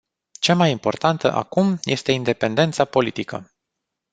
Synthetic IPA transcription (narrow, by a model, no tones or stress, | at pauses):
t͡ʃamajimpo̞̰rt̪ant̪ə̰ʔa̰kumjʔe̞st̪e̞ind̪e̞pe̞nd̪e̞nt̪sapo̞lit̪ikə̰